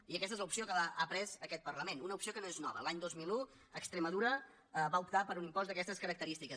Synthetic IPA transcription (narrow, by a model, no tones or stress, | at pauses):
iəkɛst̪əezləupsiokəlaʔapɾɛzəkɛt̪̚pəɾləmenunəupsiokənoeznɔ̰βə̰laɲd̪ozmilˠu | əkst̪ɾəməðuɾə | βaupt̪apəɾunimpɔzd̪əkɛst̪əskəɾək̚t̪əɾist̪ikə